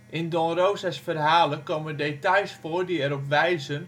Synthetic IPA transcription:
ʔɪndɔ̃nrowzasfərɦaːləkowməndejtajsfʊːrdiɛɾɔpʋɛjzən

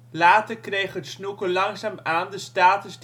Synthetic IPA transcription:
laːtərkrejχɦətsnukəlɑŋzaːmaːndəstaːtəsd

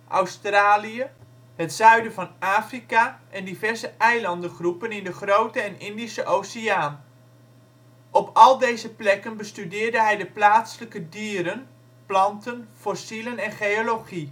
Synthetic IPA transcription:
ʔɑ̰wstraːliə | ɦətzœɥdəvɑnaːfrikaʔɛndivɛrzəʔɛjlɑndəχrupənɪndəχrowtəɛnɪndisəʔowseaːn | ʔɔpʰɑlˠdejzəplɛkənbəstydɪːɹdəɦɛjdəplaːtsələkədiːɾən | plɑntənfɔsilənɛnχejoloχi

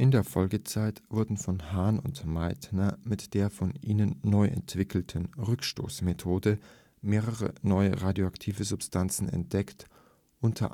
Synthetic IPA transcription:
ʔɪndeːɐfɔlɡət͡saɪtv̥ʊɐdn̩fɔnhaːnʊntmaɪtnɐmɪtd̥eːɐfɔnʔiːnənːɔʏʔɛ̰ntv̥ɪkl̩tʰən̩ʁʏkʃto̰ːsmetʰoːdə | meːʁəʁə̰nɔʏəʁaːdjoaktʰiːvəzʊpstʰant͡sn̩ɛ̰nt̚d̥ɛkt | ʔʊntʰɐ̰

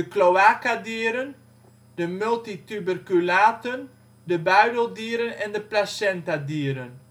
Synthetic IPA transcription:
əklowaːkadiːəɾən | dəmɵlˠtitybərkylaːtən | dəbœɥdəlˠdiəɾənɛndəplasɛntadiːəɾən

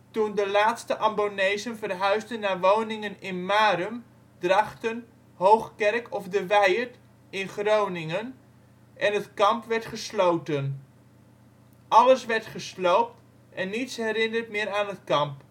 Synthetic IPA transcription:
tundəlaːtstəʔɑmbonejzənvərɦœɥzdənːaːrʋownɪŋənɪnmaːɾəm | drɑχtən | howχkɛrkʰɔfdəʋɛjəɹt | ɪnχrownɪŋən | ʔɛnətkɑmpʋɛɹtχəslowtən | ʔɑləsʋɛɹtχəslowp̚t | ʔɛnːitsɦɛrɪnərtmɪːɾaːnɦətkɑmp

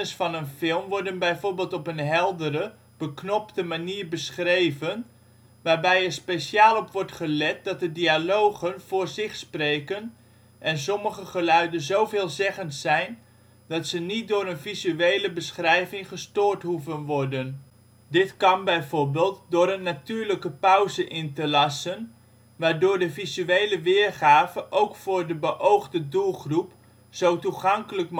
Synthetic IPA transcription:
əsfɑnənfɪlˠmʋɔɹdənbɛjvʊːɹbeːlˠtɔpənɦɛlˠdəɾə | b̥əknɔptəmaniːɹbəsχrejvən | ʋaːɹbɛjɛɹspesjaːlˠɔpʋɔɹtχəlɛt̚d̥ɑt̚dədialowχənv̥ʊːɹzɪχsprejkən | ʔɛnsɔməχəχəlœɥdənzowveːlˠzɛχəntsɛjn | dɑtsənit̚dʊːɾənvizyejləbəsχrɛjvɪŋχəstʊːɹtɦuvənʋɔɹdən | dɪtkɑnbɛjvʊːɹbeːlˠtdʊːɾənːatyːɹləkəpœwzəʔɪntəlɑsən | ʋaːɹdʊːɹdəvizyejləʋɪːrχaːvəʔowkfʊːɹdəbəʔowχdədulˠχrup | z̥owtuχɑŋkələk

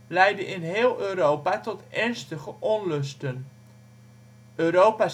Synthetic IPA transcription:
lɛjdənʔɪnɦɪːlˠøːɾowpatɔtɛɹnstəχəʔɔnlɵstən | øːɾowpa

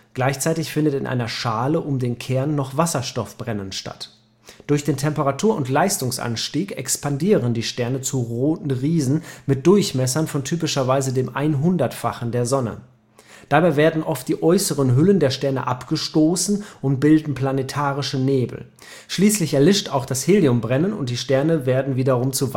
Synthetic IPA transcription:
ɡ̥laɪçt͡saɪtɪçfɪndətɪnʔa̰ɪnɐʃaːləʔʊmdeːnkʰɛɐnːɔχv̥asɐʃtɔfb̥ʁɛnənʃta̰t | d̥ʊɐçd̥eːntʰɛmpəʁatʰuːɐʊntlaɪstʊŋsʔa̰nʃtiːkɛ̰kspandiːʁəndiːʃtɛɐnət͡suʁoːtn̩ʁiːzn̩mɪt̚d̥ʊɐçmɛsɐnfɔntʰyːpɪʃɐvaɪzədeːmʔaɪnɦʊndɐtfaχn̩deːɐzɔnə̰ | d̥aːbaɪveːɐdn̩ʔɔft̚d̥iːʔɔʏsəʁənɦʏləndeːɐʃtɛɐnə̰ʔapɡ̥əʃtoːsn̩ʔʊnt̚b̥ɪldn̩pl̥anetʰaːʁɪʃəneːbl̩ | ʃliːslɪçɛɐlɪʃta̰ʊxd̥asheːliʊmbʁɛnənʊ̰nt̚d̥iːʃtɛɐnəveːɐdn̩viːdɐʁʊmt͡suv

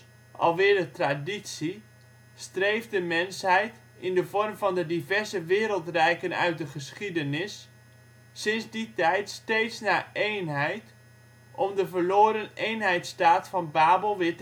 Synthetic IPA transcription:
ʔɑ̰lˠʋɪːɹdətraditsi | strejfdəmɛnshɛjt | ɪndəvɔrmvɑndədivɛɹzəʋɪːɾəlˠtrɛjkənœ̰ɥt̚dəχəsχidənɪsː | ɪnzditɛjtstejtsnaːejnɦɛjt | ʔɔmdəvəɹloːɾənejnɦɛjtstaːtfɑnbaːbəlˠʋɪt

